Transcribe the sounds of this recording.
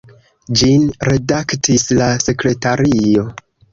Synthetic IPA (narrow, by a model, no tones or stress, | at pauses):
d͡ʒinɾe̞daktislase̞kɾe̞taɾio̞